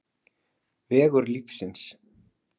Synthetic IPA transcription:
vɛːɣʏɾlifsɪns

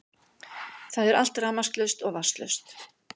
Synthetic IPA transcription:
θaðɛɾal̥t̪raːmask̪lœst̪ɔɣvast̪lœ̰st̪

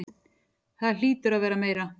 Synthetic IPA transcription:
θaðl̥iːt̪ʏɾaðvɛːɾameːjɾa

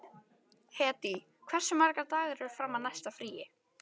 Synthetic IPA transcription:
hɛːt̪i | kʰv̥ɛr̥sʏmaɾkat̪aːɣɪɾɛʏɾ̥fɾamːanajst̪afɾiːjɪ

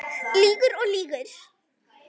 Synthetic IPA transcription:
liːɡəɾoːliːɡəɾ

